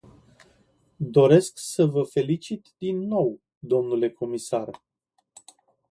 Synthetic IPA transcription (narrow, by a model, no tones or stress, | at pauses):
d̪o̞ɾe̞sksəvəfe̞lit͡ʃit̪d̪inːo̞w | d̪o̞mnule̞kʰo̞misar